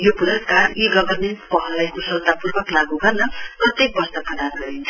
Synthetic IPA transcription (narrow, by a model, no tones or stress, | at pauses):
jopuɾʌskariɡʌbʌrnipʌɦʌlajkosʌlt̪apurbʌklaɡuɡʌrnʌprʌt̪ek̚bʌst̪ʌpʌɽanʌint͡sʰʌ̥